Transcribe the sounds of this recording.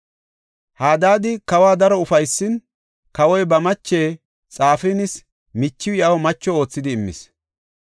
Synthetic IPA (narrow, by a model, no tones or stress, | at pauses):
haːd̪aːd̪ɪkɐwaːd̪ɐɾɔʊfɐjsːɪn | kɐwɔjbɐmɐt͡ʃːe̞ː | t͡sʼaːfɪnɪs | mɪt͡ʃːɪwɪɐwmɐt͡ʃːɔo̞ːt͡sːɪd̪ɪːmːɪ̰s